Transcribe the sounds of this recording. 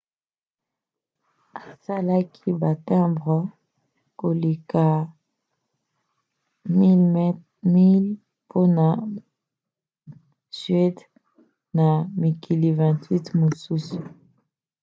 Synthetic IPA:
a˨sa˦la˦kʰi˦ba˨tɛ̃˦bʁɔ˨˦ | ko˨li˨ka˨ | mi˦ | mi˦l | pʰo˦na˨ | sɥɛ˦t | na˨mi˨kʰi˨li˨vɛ̃˨twi˦tmo˨su˦su̥˨

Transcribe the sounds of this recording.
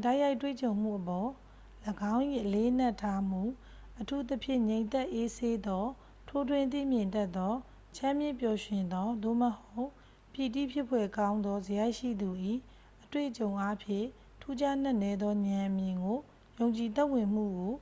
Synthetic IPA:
da˦ɪʔja˦ɪʔtwḛ˦˨t͡ɕõ˨ʊ̃m̥ṵ˦˨ʔəpɔ˨ | ləɡã˦ʊ̃ʔi˦˨ʔəle˦ʔən̥a˦˨tʰːa˦m̥ṵ˦˨ | ʔətʰu˦t̪əpʰjɪ̰̃˦˨ɲẽ˨ɪ̃nt̪ɛ˦ʔe˦sʰe˦d̪ɔ˦ | tʰo˦dwɪ̃˨nt̪ḭ˦˨mjɪ̃˨ntɛ˦t̪ːɔ˦ | t͡ɕʰã˦mjɪ̃˦˨pjɔ˨ʃɪ̃˨nd̪ɔ˦d̪o̰˦˨məho˦ʊʔ | pji˨t̪ḭ˦˨pʰjɪ˦pʰwɛ˨kã˦ʊ̃nd̪ɔ˦zəja˦ɪʔʃḭ˦˨d̪u˨ʔi˦˨ | ʔətwḛ˦˨ʔət͡ɕõ˨ʊ̃ʔa˦pʰjɪ̰̃˦˨ | tʰu˦d͡ʑa˦n̥a˦ʔnɛ˦d̪ðɔ˦ɲã˨ʔəmjɪ̃˨ŋɡo˨ | jõ˨ʊ̃ɲt͡ɕi˨t̪ɛ˦ʔwɪ̃˨m̥ṵ˦˨ɡo˨

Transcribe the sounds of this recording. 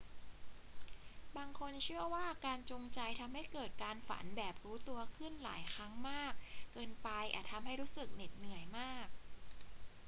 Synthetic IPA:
baː˧ŋkʰo˧nt͡ɕʰɯ˥˩ɐwaː˥˩kaː˧nt͡ɕu˧ŋt͡ɕa˧jt̪ʰa˧mha˥˩jkɤː˨˩t̪̚kaː˧nfa̰˩˦nbɛː˨˩p̚ɾuː˦˥t̪u˧ɐkʰɯ˥˩nla̰ː˩˦jkʰɾa˦˥ŋmaː˥˩k̚ːɤː˧npa˧jʔa̰˨˩t̪ʰa˧mɦa˥˩jɾuː˦˥sɯ˨˩k̚ni˨˩t̪̚nɯ˨˩əjmaː˥˩k̚

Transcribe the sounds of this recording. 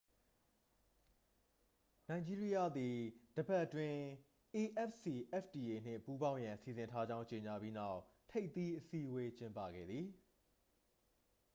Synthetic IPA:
nã˨ɪ̃ɲd͡ʑi˦ɹi˦ja˦d̪i˨d̥əba˦ʔtwɪ̃˦ | ʔe˨ʔɛ˦psi˨ʔɛ˦fʰdi˨ʔe˨n̥ɪ̰̃˦˨pu˦bã˦ʊ̃jã˨nsi˨zɪ̃˨ntʰa˦d͡ʑã˦ʊ̃ɲt͡ɕe˨ɲa˨bji˦na˦ʊʔtʰe˦ɪt̪i˦ʔəsi˦we˦t͡ɕɪ̃˦mpä̰˦˨ɡɛ̰˦˨d̪ði˨

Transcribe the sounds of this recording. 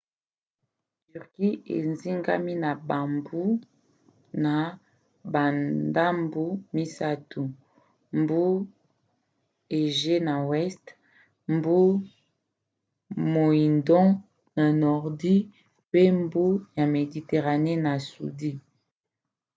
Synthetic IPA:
ty˨ʁki˦ḛ˨nzi˦ŋɡa̰˦mi˦na˨ba˨mbu˦ | na˨ | ba˨nda˦mbu˦mi˦sa˦tu˨ | mbu˦ | e˨ʒe˦na˨wɛ˦st | mbu˦ | mo˨i˨ndɔ̃˦ | na˨nɔ˨ʁdi˦ | pe˦mbu˦ja˨me˨di˨te˨ʁa˨ne˦na˨sṵ˨di˦

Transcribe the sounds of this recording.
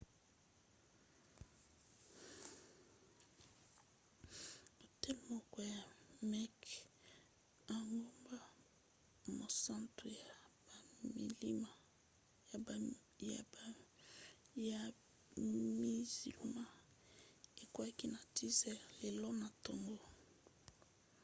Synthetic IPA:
bo˨tɛ˦˨mɔ˨kɔ˨ja˨mɛ˦k | a˨ŋɡo˦mba˦ | mo˨sã˦ntʁo˨ja˨ | mḭ˨li˦ma˨ | ja˨ | ja˨ | mi˦zḭ˨lu˨ma˦ | e˨ko˦a˦ki˦na˨ti˦zɛ˦le˨lɔ˦na˨to˨ŋɡo˦

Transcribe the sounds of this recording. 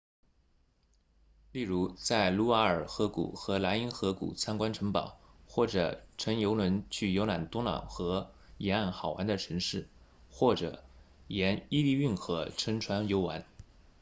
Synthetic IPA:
li˥˩ɻu˧˥t͡sa˥˩ɪlu˧˥wa˧˥ə˞˨˩xɤ˧˥kṵ˨˩xɤ˧˥la˧˥i˥nxɤ˧˥kṵ˨˩t͡sʰa˥nkwa˥nʈ͡ʂʰɤ˧˥ŋpɑ̰˨˩˦ʊxwɔ˥˩ʈ͡ʂɤ˨˩ʈ͡ʂʰɤ˧˥ŋjo˧˥ʊlwə˧˥nt͡ɕʰy˥˩jo˧˥ʊna˨˩nt̪ʊ˥ŋlɑ̰˨˩ʊxɤ˧˥ | jɛ˧˥na˥˩nxɑ˨˩ʊwa̰˧˥nd̪ə˧ʈ͡ʂʰɤ˧˥ŋʂɻ̩˥˩ | xwɔ˥˩ʈ͡ʂɤ̰˨˩ | jɛ˧˥ni˥li˥˧y˥˩nxɤ˧˥ʈ͡ʂʰə˧˥ŋʈ͡ʂʰwa˧˥njo˧˥ʊwa˧˥n

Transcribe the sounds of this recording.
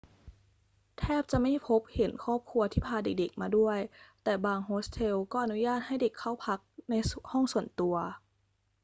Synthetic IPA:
t̪ʰɛː˥˩p̚t͡ɕa˨˩ʔma˥˩jpʰo˦˥p̚he˩˦nkʰɔː˥˩p̚kʰu˧ɐt̪ʰiː˥˩pʰaː˧de˨˩k̚de˨˩k̚maː˧du˥˩əjt̪ɛː˨˩baː˧ŋɦoː˦˥st̪ʰe˧wkɔː˥˩ʔnu˦jaː˥˩t̪̚ha˥˩jde˨˩kʰːa˥˩wpʰa˦˥k̚na˧jhɔ˥˩ŋsu˨˩ənt̪u˧ɐ

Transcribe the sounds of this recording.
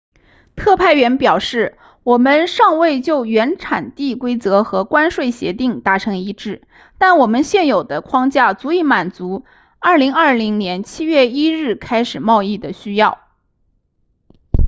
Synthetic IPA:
t̪ʰɤ˥˧pʰa˥˩ɪɥɛ˧˥npjɑ˨˩ʊʂɻ̩˥˩ | wɔ˨˩mə˦nʂɑ˥˧ŋwe˥˧ɪt͡ɕjo˥˩ʊɥɛ˧˥nʈ͡ʂʰa̰˨˩nt̪i˥˩kwe˥ɪt͡sɤ˧˥xɤ˧˥kwa˥nʂwe˥˩ɪɕjɛ̰˧˥t̪i˥˩ŋt̪a˧˥ʈ͡ʂʰɤ˧˥ŋi˧˥ʈ͡ʂɻ̩˥˩ | t̪a˥˩nwɔ˨˩mə˦nɕjɛ˥˩njo˨˩ʊd̪ə˦kʰwɑ˥ŋt͡ɕja˥˩t͡su˧˥i˧˥ma˨˩nt͡su˧˥ | ɐ˞˥˩li˧˥ŋɐ˞˥˩li˧˥ŋnjɛ˧˥nt͡ɕʰi˥ɥɛ˥˩i˥ɻɻ̩˥˩kʰa˥ɪʂɻ̩˨˩mɑ˥˧ʊi˥˩d̪ə˩ɕy˥jɑ˥˩ʊ

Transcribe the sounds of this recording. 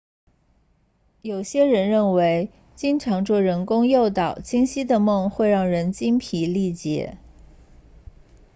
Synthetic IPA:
jo˨˩ʊɕjɛ˥ɻə˧˥nɻə˥˩nwe˧˥ɪ | t͡ɕi˥nʈ͡ʂʰɑ˧˥ŋʈ͡ʂwɔ˥˩ɻə˧˥nkʊ˥ŋjo˥˩ʊt̪ɑ˨˩ʊt͡ɕʰi˥ŋɕi˥d̪ə˨mɤ˥˧ŋxwe˥˧ɪɻɑ˥˩ŋɻə˧˥nt͡ɕi˥npʰi˧˥li˥˩t͡ɕjɛ̰˧˥˦

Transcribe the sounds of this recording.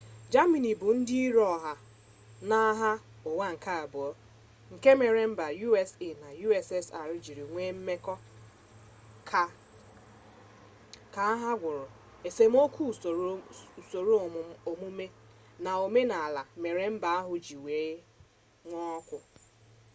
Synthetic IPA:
d͡ʒa˦mi˨ni˨bʊ˨n̩˦dɪ˦i˦ɾɔ˦˨ɦa˨ | na˦ɦa˦ | o˨wa˦ŋ̩˨ka˦a˨bʊ˨ɔ˦ | ŋ̩˨ke˦me˨ɾe˨m̩˦ba˨ju˦e˨se˦˨na˨ju˦ɛ˨sɛ˦sa˨ɾɪ˦d͡ʒi˨ɾi˨ŋʷe˦m̩˦me˦kɔ˦ | kʰa˨ | ka˨a˦ɦa˦ɡʷʊ˨ɾʊ˨ | e˨se˨m̩˦o˦kʷu˦˨so˨ɾu˦˨o˨mu˦me˦na˨o˨me˦na˨a˨la˨me˨ɾe˨m̩˦ba˨a˦ɦʊ˨d͡ʒi˨we˨˦ | ŋʷɔ˦kʷʊ˨

